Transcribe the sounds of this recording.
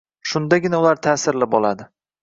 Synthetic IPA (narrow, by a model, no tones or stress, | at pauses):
ʃʊnd̪aɡʲɪnaʊlaɾt̪ʰaːsɪɾlɪpɒlˠad̪ɪ